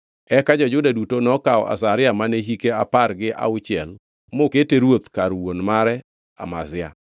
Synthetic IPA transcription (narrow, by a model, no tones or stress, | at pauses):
ɛkad͡ʒɔd͡ʒʊdadutonɔkaɔ̰ʔa̰saɾɪamaneɦikeapaɾɡɪʔa̰ʊt͡ʃɪɛl | moketeɾwot̪kaɾwonmaɾɛ | a̰ma̰zɪa̰